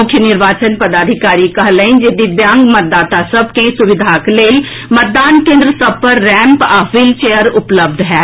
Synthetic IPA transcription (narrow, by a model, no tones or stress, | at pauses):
ʊkʰjənɪɾʋaːt͡ʃənpəd̪aːd̪ʱɪkaːɾikɐɦləɪ̃nd͡ʒed̪ibjãːŋɡmət̪̚d̪aːt̪asəb̚ʱkesʊʋɪd̪ʱakleːl | mət̪̚d̪aːnkẽːnd̪ɾəsəb̚ʱpəɾːɛ̃ːmpaːfilt͡ʃejəɾʊpləb̚d̪ʱɦɛː